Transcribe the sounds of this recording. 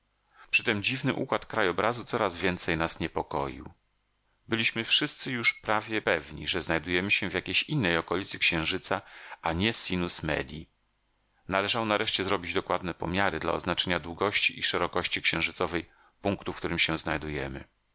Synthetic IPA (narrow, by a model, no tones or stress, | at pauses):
pʂɘt̪ɛmd͡ʑivnɘʔukwat̪kɾajɔbɾʔazut̪sɔɾazvʲjɛnt̪sɛjnasɲɛpɔkɔ̰jḭw | bɘlʲiɕmɘfʂɘst̪sɘjuʂpɾavʲjɛpɛvɲḭʐɛznajd̪ujɛmɘɕɛ̃vʲjakʲejɕinːɛjɔkɔlʲit̪sɘkɕɛ̃w̃ʐɘt̪saaɲɛsʲinusmɛ̰d̪ʲji | nalɛʐawnaɾɛʂt͡ɕɛzɾɔbʲid͡ʑd̪ɔkwad̪̚nɛpɔ̰mʲjaɾɘd̪la̰ɔ̰znat͡ʂɛɲad̪wuɡɔɕt͡ɕiʔiʂɛɾɔkɔɕt͡ɕikɕɛ̃w̃ʐɘt̪sɔvɛj | puŋkt̪ufkt̪uɾɘmɕɛw̃znajd̪ujɛmɘ̰